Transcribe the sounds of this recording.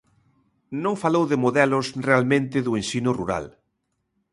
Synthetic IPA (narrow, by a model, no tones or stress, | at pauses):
nõŋfalowðɪmoðɛlʊsrealmẽnt̪ɪðʊensinʊruɾa̰l